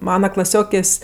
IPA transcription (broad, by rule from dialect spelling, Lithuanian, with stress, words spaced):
ˈmɑːnɐ klˠɐˈsʲoːkʲeːsʲ